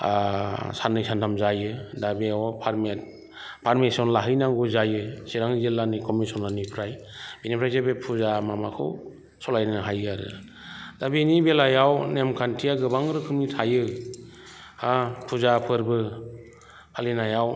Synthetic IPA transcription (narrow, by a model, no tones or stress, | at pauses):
sanɯjsʰantʰamzajɯdabeɔpʰaɾme | pʰaɾmisɔnlaɦɯjnaŋɡuzajɯsiɾaŋzelanikɔmisɔnlanipʰɾaj | b̥inipʰɾajzabepʰuzamamakʰɯ̰w | sɔlajnɯɦajaɾɯ̰ | d̥abinibelajawnemkʰantʰijaɡɯbaŋɾɯkʰɯmnitʰajɯ | apʰuzapʰɯɾbɯ | pʰalinajaw